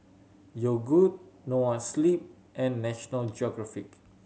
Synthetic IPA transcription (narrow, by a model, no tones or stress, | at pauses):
jɔɡud̚nowãnslip̚ | ʔɛ̃nːɛʃɔnəld͡ʒɔɡɹafik